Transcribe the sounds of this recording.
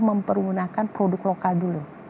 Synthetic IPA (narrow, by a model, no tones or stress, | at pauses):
məmpərwunakanpɾodʊklokaldulu